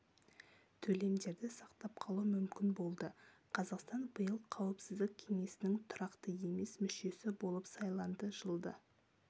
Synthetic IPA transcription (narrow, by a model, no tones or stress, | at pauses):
t̪ʰɵle̞md̪e̞ɾd̪ɪsɑqt̪ɑpqʰɑlˠumʏmkʲɪnbo̞lˠd̪ə | qʰɑzɑqst̪ɑnbəjəlˠqʰɑwɪpsɪzd̪ɪk̚ʲʰe̞ŋe̞sɪnɪŋt̪ʰʊɾɑqt̪əje̞me̞smʏʃe̞sɪbo̞lˠəpsɑjlˠɑnd̪əʒəlˠd̪ə